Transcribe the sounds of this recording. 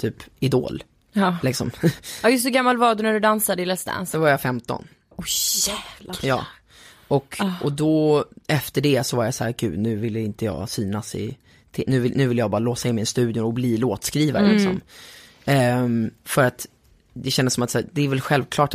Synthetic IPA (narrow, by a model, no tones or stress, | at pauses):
t̪ʰyːpɪd̪o̰ːl | lɪksɔ̰mɑjɵst̪ɔɡamːalvɑːd̪næɖɵd̪ansad̪ɪlɛst̪a̰nsd̪ɔvaɾjafɛmt̪ɔ̰n | ɔæːvljɑ̰ː | ɔkʰːʔɔd̪ɔɛft̪əɖɛsɔvaɾjasæːɾɡʉ̟̰ːnʉ̟ːvɪlːəɪnt̪əjɑ̰ːsyːnasɪ̰ | t̪ʰɪnʉ̟ːvɪnʉ̟ːvɪlːəjɑɡbɑːɾaloːsaɪnmːɪnst̪ʉ̟ːd̪jʊnɔbliːloːt̪skɾiːvaɾə̰lɪksɔ̰m | fœɾat̪ | d̪ɛɕɛnd̪əsɔmat̪sæːd̪ɛæɾvɛlɧɛlvkʰlɑːʈ